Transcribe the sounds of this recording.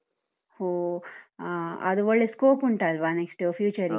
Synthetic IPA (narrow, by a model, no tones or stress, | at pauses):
ho | ɐ̰d̪uʋɐɭːeskoːpuɳʈaːlʋaːneksʈːfʰjuːt͡ʃɐɾĩ